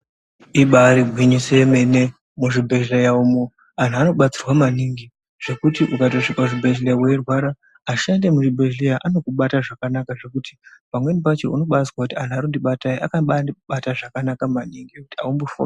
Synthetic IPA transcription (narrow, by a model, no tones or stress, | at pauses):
iɓaɾibʱwiɲiseme̞ne | muʐibʱe̞ʒlejaumo | an̤uano̞ɓat͡sirwamaniŋɡi | ʐ̥e̞kutiʔukato̞ʂikaʐibʱeʒleawerwaɾaː | ʃande̞muʐibʱeʒlejaʔano̞kuɓataʐakanakaʐe̞kuti̥pamwe̞nipat͡ʃiuno̞ɓat͡sirwakutian̤uaɾondiɓataiʔakaɓaɓataʐakanakamaniŋɡiekutia̰umbofo̰